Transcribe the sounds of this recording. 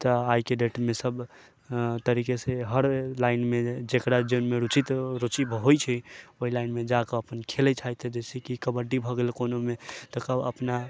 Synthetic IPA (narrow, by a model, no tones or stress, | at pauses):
t̪ɔajkeɖeʈmesəb | t̪əɾikeseɦəɾlaɪnmed͡ʒekɾad͡ʒonmeɾut͡ʃit̪ɾot͡ʃibɦojt͡ʃʰɛoɦilaɪnmed͡ʒakeəpənkʰelɛt͡ʃʰajt̪d͡ʒesʰikikəbəɖibʱəɡelkonomet̪ɔkəbə̰pna